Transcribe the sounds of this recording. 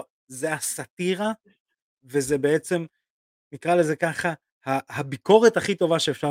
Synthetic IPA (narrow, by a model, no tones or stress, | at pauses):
zeasat̪iʁa | ve̞zebe̞et͡se̞m | nikʁale̞ze̞kaχa | hahabiko̞ʁet̪haχit̪o̞vaʃe̞eːfʃa